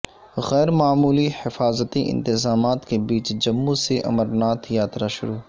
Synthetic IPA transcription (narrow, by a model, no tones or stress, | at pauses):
ɣɛːɾmaːmuːlihɪfaːzət̪iʔɪ̰̃nt̪ɪzaːmaːt̪kebiːt͡ʃd͡ʒɐmːũseʔɐ̰məɾnaːt̪jaːt̪ɾaʃʊ̰ɾuː